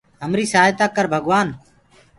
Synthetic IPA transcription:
ɦəmɾiːsaːjt̪aːkəɾbʱəɡʋaːn

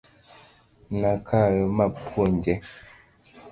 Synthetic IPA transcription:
nakʰamapwond͡ʒɛ

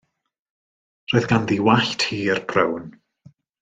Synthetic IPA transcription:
roːɨðɡanðiwaɬtʰhiːərbʰrəwn

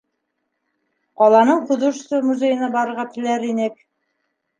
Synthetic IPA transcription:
qɑlˠɑnɤɴquðŏʃsɤmuzʲejɘ̆nɑbɑɾɤ̆ɾʁɑt̪ɘ̆læɾinɘk̚

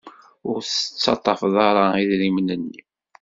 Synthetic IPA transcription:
ʊɾθət͡sːɑt̪ˤːɑfðˤɑɾˤɑiðɾimnənːi

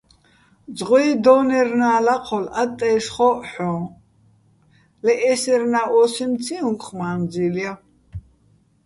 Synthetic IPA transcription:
d͡zʁɔid̪ɔnɛrnaːlaqʰɔlat̪ʼːɛːʃχɔħɔ̃ː | lɛʔɛsɛɾnaʔɔsimt͡sʰiũŋkʼχmaːnd͡zilja

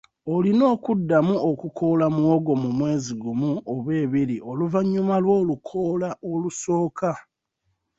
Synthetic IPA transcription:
olino̞ːkudːamuokukʰo̞lamuwoɡo̞mumwe̞ːziɡumuoβwe̞ːβiɾiʔo̞luvaɲːumalwo̞ːlukʰolaoluso̞ːkʰa

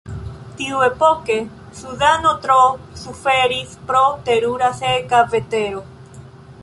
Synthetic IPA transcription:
t̪iuepoke | suðanot̪ɾosufeɾispɾot̪eɾuɾasekavet̪eɾo

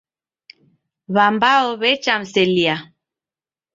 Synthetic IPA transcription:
βambaɔβɛt͡ʃam̩sɛlia

